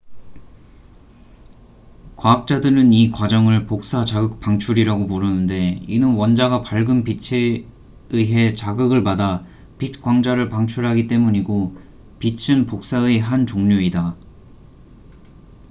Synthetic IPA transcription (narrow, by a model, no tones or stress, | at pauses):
kwaak̚t͡ɕ͈adɯɾɯnikwad͡ʑʌŋɯɭpok̚s͈at͡ɕaɡɯk̚p͈aŋt͡ɕʰuɾiɾaɡomuɾɯnɯnde̞inɯnwʌnd͡ʑaɡapaɭɡɯnpit͡ɕʰe | ɯɦe̞t͡ɕaɡɯɡɯɭpada | pit̚k͈waŋd͡ʑaɾɯɭpaŋt͡ɕʰuɭɦaɡit͈e̞muɲiɡo | pit͡ɕʰɯnpok̚s͈aɯeɦant͡ɕoŋɲoida